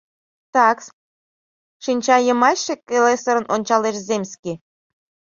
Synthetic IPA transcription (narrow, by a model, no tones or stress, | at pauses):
t̪ɑks | ʃinʲt͡ɕɑjə̆mɑt͡ɕʃekelesoɾə̆nʔonʲt͡ɕɑleʃzemʲske